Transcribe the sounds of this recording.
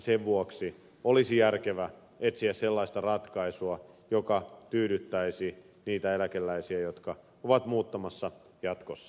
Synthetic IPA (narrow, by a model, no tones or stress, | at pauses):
seʋʋuoksi | olisijærkeʋæ | et̪siæsselːɑist̪ɑrɑt̪kɑisuɑ | jokɑt̪yːɾyt̪ːæisi | niːt̪æelækelːæisiæjot̪kɑ | oʋɑt̪muːt̪ːɑmɑsːɑ | jɑt̪kosːɑ